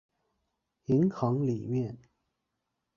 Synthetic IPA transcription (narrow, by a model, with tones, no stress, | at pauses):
i˧˥ŋkʰɑ˧˥ŋli˨˩mjɛ˥˩n